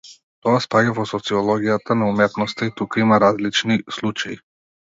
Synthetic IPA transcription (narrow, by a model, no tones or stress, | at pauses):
t̪ɔaspaɟavɔsɔt̪siɔlˠɔɡijat̪anaumɛt̪nɔst̪ait̪ukaimaɾazlit͡ʃnislˠut͡ʃaji